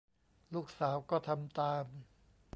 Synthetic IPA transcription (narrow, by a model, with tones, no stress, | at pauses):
luː˥˩k̚saː˩˦wkɔː˥˩t̪ʰa˧mt̪aː˧m